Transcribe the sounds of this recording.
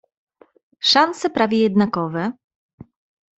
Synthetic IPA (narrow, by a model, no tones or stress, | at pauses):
ʂansɛpɾavʲjɛjɛd̪nakɔvɛ